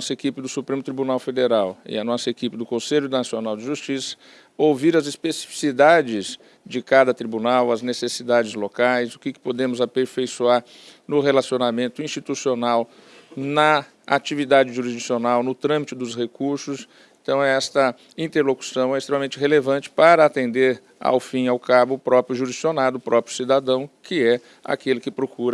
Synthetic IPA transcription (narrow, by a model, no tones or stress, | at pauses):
sɐekipɪd̪ʊsupɾẽmʊt̪ɾibunawfed̪eɾawɪ̰ɐnɔsɐekipɪd̪ʊkõseʎʊd̪ɐnasionawd͡ʒɪʒust͡ʃisɐ̥ | owviɾɐzispesi̥fi̥sid̪ad͡ʒɪz | d͡ʒɪkad̪ɐt̪ɾibunawɐznesesid̪ad͡ʒɪzlokajzʊkɪkɪ̥pod̪ẽmʊzapeɾfejsuaɾ | nʊhelasionamẽnt̪ʊĩst͡ʃit̪usionaw | nɐ | at͡ʃivid̪ad͡ʒɪʒuɾizd͡ʒisionawnʊt̪ɾɐ̃mit͡ʃɪd̪ʊshekuɾsʊs | ẽnt̪ɐ̃w̃ɛst̪ɐ | ĩnt̪eɾloku̥sɐ̃w̃ɛist̪ɾemamẽnt͡ʃɪɦelevɐ̃nt͡ʃɪ̥paɾɐat̪ẽnd̪eɾ | a̰wfĩawkabʊːpɾɔpɾjʊʒuɾisionad̪ʊːpɾɔpɾjʊsid̪ad̪ɐ̃w̃kɪɛ | a̰kelɪkɪpɾokuɾɐ